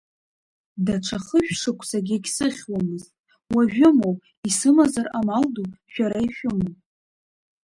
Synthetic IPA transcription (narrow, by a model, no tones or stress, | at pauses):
daʈ͡ʂʷʰaχəʃᶣʂɨkʷʰsaɡʲeɡʲsɨχʲwamɨztʼ | waʒᶣʊmowpʼ | isɨmazaramalduʃᶣaɾaiʃᶣʊmopʼ